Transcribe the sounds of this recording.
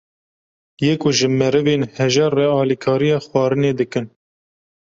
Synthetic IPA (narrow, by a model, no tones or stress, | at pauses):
jeːkʊʒɨmɛɾɨveːnhɛʒɛrːɛɑːlikʰɑːɾijɑːxwɑːɾɨneːd̪ɨkɨn